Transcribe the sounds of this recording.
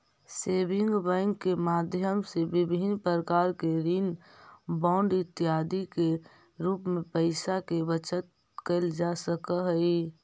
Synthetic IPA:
seːbɪ̃ŋɡbɛ̃ŋkːemaːd̪ʱjəmsebɪbʱinpɾəkaːɾkeɾiːn | baʊɳɖɪt̪ːiɦaːd̪ike | ɾuːpmẽpəɪsakebət͡ʃət̪̚ | kəld͡ʒasəkəɦəi

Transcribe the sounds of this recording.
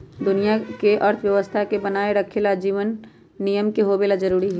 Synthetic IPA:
d̪ʊnijakeʔɐɾt̪ʰʋjɐʋəst̪ʰakebɐnaːeɾɐkʰelad͡ʒiːʋənː | ijəmkeɦobeːlad͡ʒɐɾuːɾiɦɛː

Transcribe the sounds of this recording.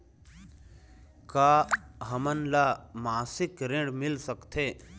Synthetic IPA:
kaːɦəmənlamaːsɪkɾẽɽmɪlsəkt̪ʰeː

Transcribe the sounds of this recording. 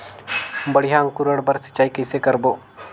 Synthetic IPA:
bəɽiɦãːŋkʊɾəɽbəɾsɐ̥t͡ʃːaːikəɪsekəɾboː

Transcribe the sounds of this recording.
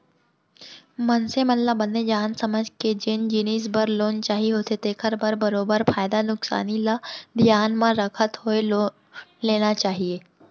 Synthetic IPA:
mɐnsemɐllabɐnːed͡ʒaːnsɐməd͡ʒʱked͡ʒɪnd͡ʒiniːs̬bəɾloːnt͡ʃaːɦiɦoːt̪et̪eːkʰəɾbəɾbɐɾoːbəɾfaːɪd̪anʊksa̰ːnilad̪ʱjaːnmãɾɐkʰət̪ɦoe | leːnat͡ʃaːɦieː

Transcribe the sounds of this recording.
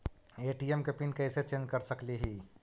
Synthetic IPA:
eːʈiemkepinkɛːset͡ʃẽːnd͡ʒkəɾsəkliɦiː

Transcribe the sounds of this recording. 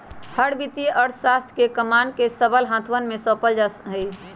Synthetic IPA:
həɽbit̪ijeʔɔɽsast̪ʰkekəmankesəbəlɦãt̪ʰʋənmẽsɔːpəld͡ʒasɦəi

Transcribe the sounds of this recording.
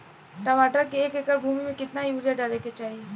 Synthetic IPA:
ʈɐmaːʈəɾkeeːkekəɾbʱuːmimẽkɪt̪najuːɾijaɖəɾeket͡ʃaːɦie

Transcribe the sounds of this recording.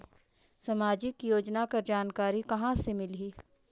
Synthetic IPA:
sɐmaːd͡ʒɪkjoːd͡ʒnakaɾd͡ʒaːnkaːɾikɐɦãsemɪliː

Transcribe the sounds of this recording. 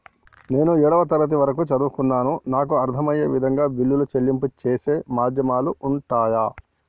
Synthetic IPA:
ne̞ːnuɛːɽɐʋɐt̪ɐɾɐt̪̬iʋɐɾɐkut͡ʃɐd̪uːkunːaːnunaːk̬uɐɾt̪ʰɐmɐjɐʋid̪ʱɐŋɡaːbilːulut͡ʃelːimput͡ʃeːse̞ːmaːd̪ʱjɐmaːluʔuɳʈaːjaː

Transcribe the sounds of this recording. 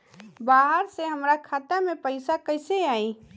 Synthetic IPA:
baːɦəɾseɦəmɾakʰaːt̪amẽpəɪsakəɪseaːi

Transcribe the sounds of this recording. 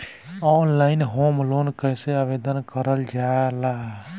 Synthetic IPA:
ɔnlaːɪnɦoːmloːnkəjseaʋeːd̪ənkəɾəld͡ʒala

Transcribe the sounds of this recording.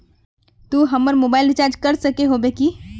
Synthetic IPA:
t̪uɦəmːəɾmobaɪlɾit͡ʃaɾd͡ʒkəɾsəkeɦobeki

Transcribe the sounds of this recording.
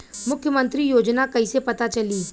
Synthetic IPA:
mʊkʰjəmə̃nt̪ɾijoːd͡ʒnakɐisepɐt̪at͡ʃɐliː

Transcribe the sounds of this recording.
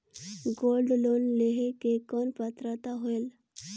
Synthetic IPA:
ɡolɖlonleɦekekɔnpat̪ɾat̪aɦoel

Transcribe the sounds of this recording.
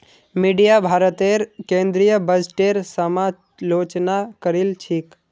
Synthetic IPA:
miɖijabʱaːɾət̪eɾkẽːnd̪ɾijəbəd͡ʒʈeːɾsəma | loːt͡ʃnakəɾilt͡ʃʰiːk

